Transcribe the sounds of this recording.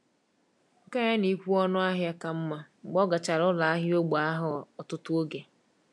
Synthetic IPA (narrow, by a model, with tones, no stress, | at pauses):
ŋ̩˨ka˦ɲa˦ni˨˦kʷu˦ɔ˦nʊ˦a˦ɦja˦ka˨m̩˦ma˦˨ɡ͡bɔ˦ɡa˨t͡ʃa˨ɾʊ˦la˨a˦ɦi˦o˦ɡ͡ba˦ɦʊ˦ɔ˨tʊ˦tʊ˦o˦ɡe˨